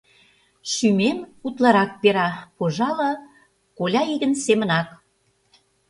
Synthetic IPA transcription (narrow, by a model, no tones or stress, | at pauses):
ʃymemut̪lɑɾɑk̚peɾɑpoʒɑlɤ̆ | kolʲɑiɣə̆nsemə̆nɑk